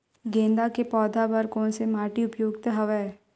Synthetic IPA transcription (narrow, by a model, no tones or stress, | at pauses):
ɡẽːnd̪akepɔːd̪ʱabəɾkõːnsemaːʈiʊpjoːɡt̪ɦɐʋɛː